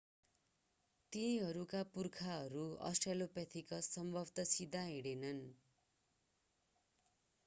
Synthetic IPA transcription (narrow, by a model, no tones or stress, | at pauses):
t̪ĩɦʌɾukapurkʰaɦʌɾuʌ̰sʈrelopʌt̪ʰikʌsʌmbʱʌbt̪ʌsid̪ʱaɦiɽenʌn